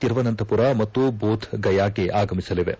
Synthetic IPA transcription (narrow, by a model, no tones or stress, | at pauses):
t̪iɾʋɐnɐnt̪ʰɐpuɾamɐt̪ːuboːd̪ʱʰɡɐjaːkeʔaːɡɐmisɐliʋḛ